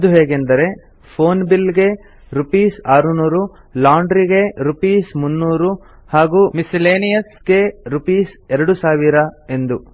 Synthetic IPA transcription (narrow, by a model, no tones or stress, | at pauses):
ɐd̪uɦeːɡend̪ɐɾe̞ | pʰoːnbilɡe̞ | ɾupiːsaːɾunuːɾu | laːwɳɖɾiɡe̞ɾupiːsmunːuːɾu | haːɡuːmisileːnijɐsɡe̞ɾupiːsɛɾɐɽusaːʋiɾɐe̞nd̪u